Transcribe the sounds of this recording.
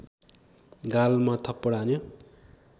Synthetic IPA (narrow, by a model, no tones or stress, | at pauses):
ɡalmat̪ʰʌpːʌɽanjo